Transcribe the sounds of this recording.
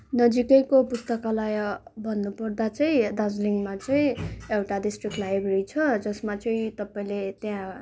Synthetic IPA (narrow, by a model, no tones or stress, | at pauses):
nʌd͡zikʌjkopust̪ʌkalajʌbʱʌnːupʌrd̪at͡sʌĩd̪ad͡zliŋmat͡sʌĩewʈaɖisʈrikʈlajbeɾit͡sʰʌd͡zʌsmat͡sʌĩt̪ʌpaĩlet̪jã